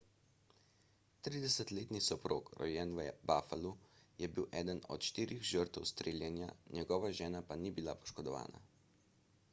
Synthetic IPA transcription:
t̪ɾiːd̪ɛsət̪leːt̪nisɔpɾo̰ːkɾɔ̰jɛnʋbaːfalujɛbiwʔɛːd̪ənɔ̰t̪ʃt̪iːɾʔixʒəɾt̪ɛwst̪ɾeːljɛnja̰njɛɡɔːʋaʒɛːnapanibilapɔ̥ʃkɔd̪ɔʋa̰ːna̰

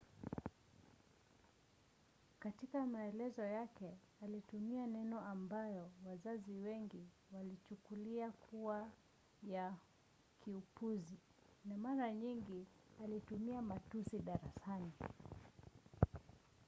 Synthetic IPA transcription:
katikamaɛlɛzɔjakɛ | alitumianɛnɔambajɔwazaziwɛŋɡi | walit͡ʃukuliakʰuwa | ja | kiupuzi | namaɾaɲiŋɡi | alitumiamatusiɗaɾasani

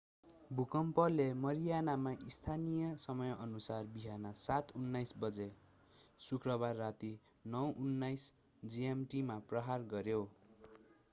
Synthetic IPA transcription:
bʱukʌmpʌlemʌɾijanamaʔist̪ʰanijʌsʌmʌjʌʔʌnusarbiɦanʌsat̪unːajsbʌd͡ze | sukrʌbarːat̪i | nʌwʔunːajs | d͡ziemʈimaprʌɦarɡʌɾjo

